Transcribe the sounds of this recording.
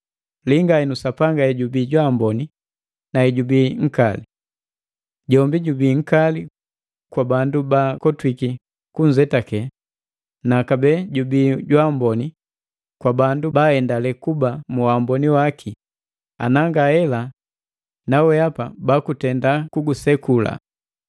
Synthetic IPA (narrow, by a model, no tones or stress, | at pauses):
liŋɡaɛnusapaŋɡaɛɟubiːɟwambɔni | naɛɟubiːŋ̩kali | ɟɔmbiɟubiːŋ̩kali | kwabandubakɔtwiki | kuɲd͡ʒɛtakɛ | nakabɛɟubiːɟwambɔni | kwabandubaɛndalɛkubamuwambɔniwakʰi | a̰naŋɡahɛla | nawɛapabakutɛndakuɡusɛkula̰